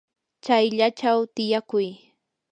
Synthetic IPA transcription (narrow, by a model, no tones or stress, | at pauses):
t͡ʃajʎat͡ʃawt̪ɪjakʊj